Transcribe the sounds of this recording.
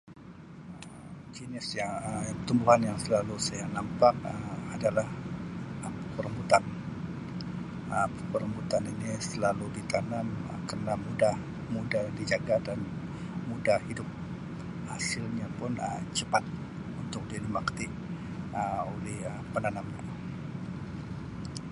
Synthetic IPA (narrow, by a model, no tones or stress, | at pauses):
d͡ʒənɪsjaəət̪umbuɦanjaŋsəlalusajanampak̚əmadalahəkəɾəmbut̪an | əəkəɾəmbut̪aninisəlalubit̪anamə̰kərənamudah | mudahdid͡ʒaɡadan | mudahhidʊp̚ | hasɪlɲapʊnə̰mt͡ʃəpat̪̚ | unt̪ʊk̚dilimakt̪ɪ | ʔəolɛhəpənanamna